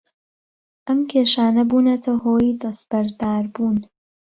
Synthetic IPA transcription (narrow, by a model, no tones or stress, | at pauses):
ʔɐmkʲʰeːʃaːnɐbuːnɐt̪ʰɐhoːjid̪ɐs̚b̥ɐɾd̪aːɾbuːn